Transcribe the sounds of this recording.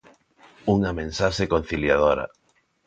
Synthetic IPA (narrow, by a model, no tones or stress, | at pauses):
uŋɐmẽnsaʃekon̟θiljaðoɾɐ̰